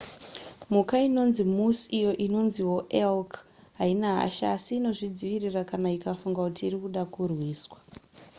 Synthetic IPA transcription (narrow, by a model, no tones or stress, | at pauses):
mukaino̞nzimusijo̞ʔino̞nziwo̞ʔelk | ɦainaɦa̰ʃa̰siːno̞ʐid͡ziʋirirakanaikafuŋɡakutiːrikuɗakurwiːswḁ